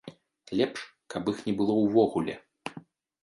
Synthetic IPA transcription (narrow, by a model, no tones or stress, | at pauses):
lʲɛpʂ | kʰɐpixnʲɛbɨlˠɔwvɔɣulʲɛ